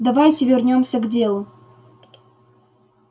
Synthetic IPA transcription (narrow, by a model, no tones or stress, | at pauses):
d̪ɐvajtʲɪvʲɪrnʲomsʲəɡdʲe̞lˠʊ